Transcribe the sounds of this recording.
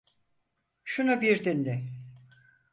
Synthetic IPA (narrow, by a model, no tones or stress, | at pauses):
ʃunubiɾd̪inlʲɪ